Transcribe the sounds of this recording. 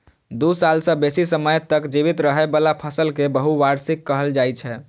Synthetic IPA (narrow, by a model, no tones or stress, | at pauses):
d̪usalsə̃besisəməjt̪əkd͡ʒiβit̪ɾəɦɛbəlapʰəsəlkebəɦuʋaɾsikːəɦəld͡ʒajt͡ʃʰɛ